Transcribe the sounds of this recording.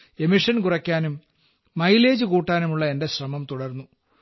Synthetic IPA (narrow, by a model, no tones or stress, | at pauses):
e̞miʂɐnkurɐkʲːaːnumː | ɐjle̞ːd͡ʑukuːʈːaːnumuɭːɐe̞nde̞ɕrɐmɐmt̪uɽɐrnːu